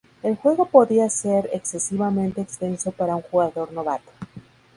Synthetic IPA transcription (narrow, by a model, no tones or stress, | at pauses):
e̞lxwe̞ɣ̞o̞po̞ðiaseɾe̞̰kse̞siβamẽnt̪e̞ːkst̪e̞nso̞paɾauŋxuɣaðo̞ɾno̞βa̰t̪o̥